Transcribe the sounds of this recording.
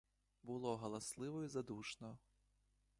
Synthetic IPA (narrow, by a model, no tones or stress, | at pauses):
bulˠɔɣɐlˠaslˠɨvɔizad̪uʂnɔ